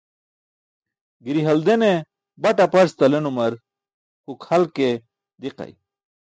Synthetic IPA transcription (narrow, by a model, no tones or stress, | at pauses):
ɡiɾiɦɐld̪ene | bɐʈapɐɾst̪ɐlenumɐɾ | kukʰhɐlke | d̪iqa̰j